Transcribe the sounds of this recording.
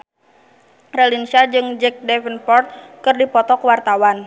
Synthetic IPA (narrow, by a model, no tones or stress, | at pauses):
rɛlinsad͡ʒɨŋd͡ʒɛk̚dɛfənpɔrt̪̚kɨrdipɔt̪ɔkwart̪awan